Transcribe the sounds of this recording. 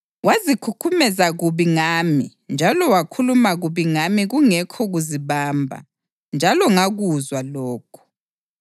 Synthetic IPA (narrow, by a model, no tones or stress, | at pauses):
wazikʰukʰumɛzaɣuβiŋaːmi | nd͡ʒʱalɔwakʰulumaɣuβiŋamiɣuŋɛkʰɔɣuziβaːmbʱa̰ | nd͡ʒʱalɔŋaɣuzwalɔːkʰɔ̥